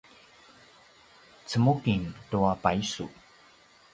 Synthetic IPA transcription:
t͡səmukintuapaisṵ

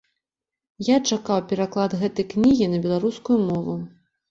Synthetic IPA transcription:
jat͡ʂakawpʲɛɾaklˠad̪ɣɛt̪ɐjknʲiɣʲinɐbʲɛlˠaɾuskujumɔvu

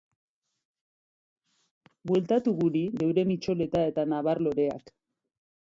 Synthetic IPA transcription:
bwe̞lt̪at̪uɣuɾiðe̞wɾe̞mit͡ʃo̞le̞t̪ae̞t̪anaβarlo̞ɾe̞a̰k

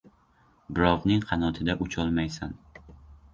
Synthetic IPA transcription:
bɪɾɒvnɪŋqʰɑnɒt̪ʰɪd̪aʔʊt͡ʃʰɒlˠmajsan

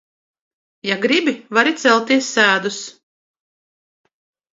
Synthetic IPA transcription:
jaɡɾibʲivaɾit̪sɛlˠt̪iɛsːæːd̪us

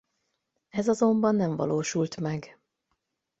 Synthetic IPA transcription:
ɛzɒzo̞mbɒnːɛɱvɒ̰loːʃult̪mɛɡ

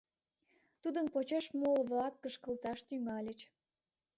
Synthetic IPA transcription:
t̪ud̪ənpot͡ɕeʃmolβlɑkːəʃkəlt̪ɑʃt̪yŋɑlʲət͡ɕ

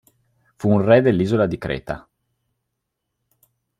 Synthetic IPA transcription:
fuːnrɛd̪elːiːzolad̪ikɾɛ̰ːt̪a̰

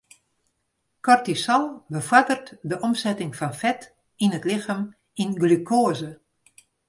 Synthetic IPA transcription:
kɔrtisɔlˠbəfwadərtdəʔɔmsɛtɪŋfɔnfɛt | inətlɪxəm | inɡlykʰoəzə

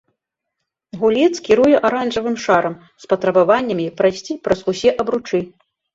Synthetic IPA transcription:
ɣulʲit̪skʲiɾujɛʔaɾanʐɐvɨmʂaɾɐm | spɐt̪ɾɐbavanʲːɐmʲipɾɐjsʲt͡sʲipɾɐzusʲɛʔɐbɾut͡ʂɨ

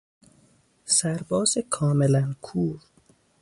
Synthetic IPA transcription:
sæɾbɒːzekʰɒːmelænkʰuːɾ

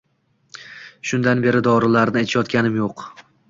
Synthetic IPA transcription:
ʃʊnd̪anbe̞ɾɪd̪ɒɾɪlaɾnɪat̪ʰjɒt̪kʲanɪmjoq

